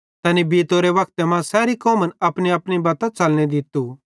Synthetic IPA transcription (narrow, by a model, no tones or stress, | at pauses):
t̪ɐːnibiːt̪oɾeʋɐk̚t̪emãsɛːɾikɔ̃ːmənɐpniɐpnibaːt̪ãt͡sɐlned̪ɪt̪ːu